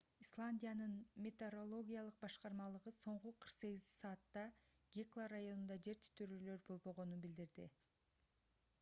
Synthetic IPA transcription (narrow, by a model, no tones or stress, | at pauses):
islˠanʲdʲijanɯnmʲet̪eɾo̞lˠo̞ɡʲijalˠɯq̚bɑʃqɑɾmɑlˠɯʁɯso̞ɴquqʰɯɾqse̞ɡʲizsɑːt̪ːɑɡʲiklˠarːajo̞nund̪ɑd͡ʒe̞ɾt̪ʰy̥t̪ʰyɾølø̞ɾbo̞lˠbo̞ʁo̞nunbild̪iɾd̪i